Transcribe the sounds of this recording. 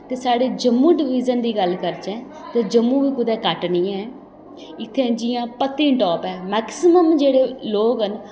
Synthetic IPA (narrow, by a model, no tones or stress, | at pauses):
t̪eːsaːɽeːd͡ʒəmːũːɖɪʋiːd͡ʒənd̪iːɡəlkəɾd͡ʒɛ̃ː | t̪eːd͡ʒəmːũːʋiːkʊd̪ɛːkəʈnĩːɛ̃ː | ɪt̪ʰːẽːd͡ʒɪjãːpət̪ːiːʈɔːpɛːmɛːksɪməmd͡ʒeːɽeːloːɡɦən